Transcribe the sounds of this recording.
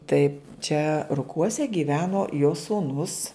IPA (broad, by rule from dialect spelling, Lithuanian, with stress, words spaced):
ˈtɐɪ t͡ʃʲɛ rʊˈkuɔsʲɛ ɡʲiːˈʋʲæːnoː joː suːˈnʊs